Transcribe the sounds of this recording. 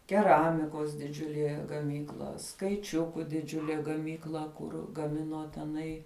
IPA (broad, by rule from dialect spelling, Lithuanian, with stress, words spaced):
kʲɛˈrɑːmʲɪkoːs dʲɪˈd͡ʒʲʊlʲiɛ ɡɐˈmʲiːklˠɐ skɐɪˈt͡ʃʲʊkʊ dʲɪˈd͡ʒʲʊlʲeː ɡɐˈmʲiːklˠɐ ˈkʊr ɡɐˈmʲɪnoː tʲɛˈnɐɪ